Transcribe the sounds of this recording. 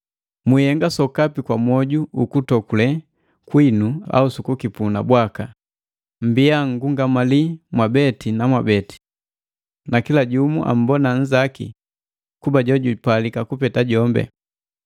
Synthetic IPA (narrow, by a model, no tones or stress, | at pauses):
mihɛŋɡasɔkapikwamwɔɟuukutɔkulɛ | kwinua̰usukukipuna̰bwaka | m̩biaŋ̩ɡuŋɡamalimwabɛtinamwabɛti̥ | nakilaɟumuʔa̰m̩bɔnaɲ̩zakḭ | kubaɟɔɟupalikakupɛtaɟɔmbɛ̰